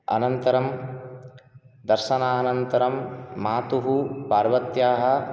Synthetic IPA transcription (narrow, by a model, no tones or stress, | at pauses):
ɐ̰nɐnt̪ɐɾɐm | d̪ɐɾʃɐnaːnɐnt̪ɐɾɐmːaːt̪uɦupaːɾʋɐt̪jaːɦɐ̆